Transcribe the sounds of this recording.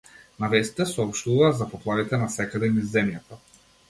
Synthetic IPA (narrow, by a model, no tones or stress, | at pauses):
navɛst̪i̥t̪ɛsɔɔpʃt̪uvazapɔplˠavit̪ɛnasɛkad̪ɛmizzːɛmjat̪a